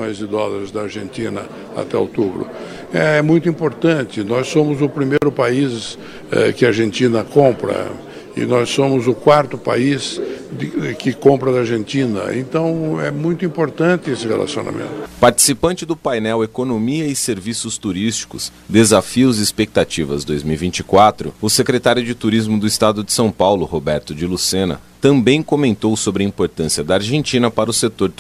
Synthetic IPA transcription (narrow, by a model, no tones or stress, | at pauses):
õj̃zɪd̪ɔzɐzd̪ɐaɾʒẽnt̪ĩnɐ | a̰t̪ɛo̰wt̪ubɾʊ̰ | ɛɛmũj̃t̪ʊĩpoɾt̪ɐ̃nt̪ɪnɔssõmʊzʊpɾimejɾʊpais | ɛkɪaɾʒẽnt̪ĩnɐkõmpɾɐ̰ | ɪ̰nɔsːõmʊzʊkwaɾt̪ʊpa̰is | kɪkõmpɾɐd̪ɐaɾʒẽnt̪ĩnɐ̰ḛ̃nt̪ɐ̃w̃ɛmũj̃t̪ʊĩpoɾt̪ɐ̃nt̪ɪesɪhela̰siona̰mḛ̃nt̪ʊ̥paɾt͡ʃi̥sipɐ̃nt͡ʃɪd̪ʊpajnɛwekonomiɐɪseɾvisʊst̪uɾist͡ʃi̥kʊ̰s | d̪ezafiʊzɪːspek̚t̪at͡ʃivɐzd̪ojzmiwivĩnt͡ʃikwat̪ɾʊ̰ʊsekɾet̪aɾjʊd͡ʒɪt̪uɾizmʊd̪ʊist̪ad̪ʊd͡ʒɪsɐ̃w̃pawlʊhobɛɾt̪ʊd͡ʒɪlusẽnɐ̰ | t̪ɐ̃mbẽj̃komẽnt̪owsobɾɪɐĩpoɾt̪ɐ̃siɐd̪ɐaɾʒẽnt͡ʃĩnɐpaɾɐʊset̪oɾ